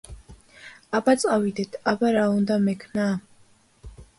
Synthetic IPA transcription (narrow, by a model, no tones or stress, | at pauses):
abat̪sʼawid̪ɛt̪ʰabaɾaund̪amɛkʰnaː